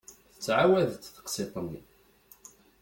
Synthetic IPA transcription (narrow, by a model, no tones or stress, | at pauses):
θət͡sːʕawæðt̪θə̥qsit̪ˤənːi